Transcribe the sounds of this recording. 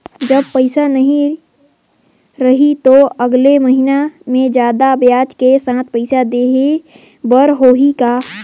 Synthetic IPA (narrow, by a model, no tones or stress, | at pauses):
d͡ʒəb̚pəɪsanɐɦĩ | ɾɐɦit̪oəɡleməɦinamẽd͡ʒjaːd̪abjaːt͡ʃkesãːt̪̚pəɪsad̪eːɦe | bəɾɦoːɦikaː